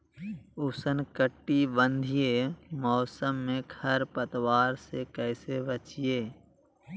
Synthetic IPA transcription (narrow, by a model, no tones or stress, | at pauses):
ʊsənkəʈːibə̃nd̪ʱijemɔːsəmːẽkʰəɾpət̪waːɾsekɛːsebət͡ʃieː